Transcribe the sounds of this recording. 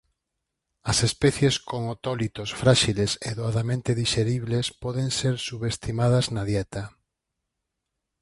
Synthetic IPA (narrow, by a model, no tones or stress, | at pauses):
ɐsespɛθjeskoŋot̪ɔlit̪osfɾaʃileseðoaðamẽnt̪eðiʃeɾiβlespɔðeŋseɾsuβest̪imað̞ɐznaðjɛt̪ɐ